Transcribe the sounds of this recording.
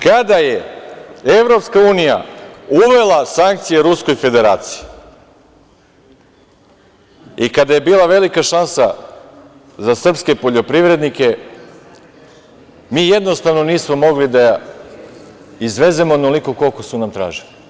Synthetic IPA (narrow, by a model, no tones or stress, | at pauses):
kad̪aje | eʋɾo̞pskauːnija̰uʋe̞lˠasaŋk̚t̪sijeɾusko̞jfe̞d̪e̞ɾaːt̪si̥ji | ikad̪aje̞biːlˠaʋe̞likaʃansa | zasr̩pske̞po̞ʎo̞pɾiʋɾe̞d̪nike̞ | miːje̞d̪no̞st̪aʋno̞niːsmo̞mo̞ɡlid̪a | izʋe̞ze̞monoliko̞ko̞lˠko̞sunamt̪ɾa̰ːʒili